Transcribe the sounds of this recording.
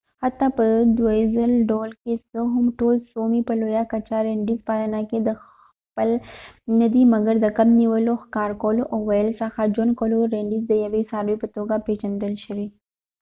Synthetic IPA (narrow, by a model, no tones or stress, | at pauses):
hɐt̪ːapɐd̪uezəlɖoːlkesəɦumʈoːlsoːmipɐloːjaːkɐt͡ʃaɾẽːɳɖizpaːɾaːnaked̪əx | pəlnɐd̪imɐɡəɾd̪ɐkɐmniʋəloxkaːɾkoːloʔoːʋɐjəlsaxaːd͡ʒonkoːloɾẽːɳɖizd̪əjɐʋisaːɾipɐt̪oːɡapeːt͡ʃɐnd̪əlʃəɾiː